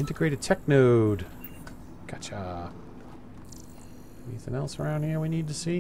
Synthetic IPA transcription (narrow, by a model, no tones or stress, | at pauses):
ɪ̃ntɨɡɹeɪɾɨd̚tʰɛk̚noʊd | kʰat͡ʃa | ɛniθɪ̰̃ŋɛlˠsə˞ãʊ̃nd̚hiɹwinid̚tɨsi